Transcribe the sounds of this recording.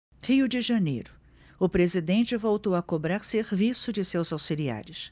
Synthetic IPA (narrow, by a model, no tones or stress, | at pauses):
hiʊd͡ʒɪʒɐnḛjɾʊ | ʊpɾezid̪ẽnt͡ʃɪvowt̪owɐkobɾaɾseɾvisʊd͡ʒɪsewzawsilia̰ɾɪs